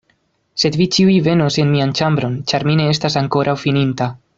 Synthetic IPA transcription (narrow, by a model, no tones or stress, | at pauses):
se̞dvit͡ʃiujve̞nose̞nmiant͡ʃambɾo̞nt͡ʃaɾmine̞estasaŋko̞ɾʔawfininta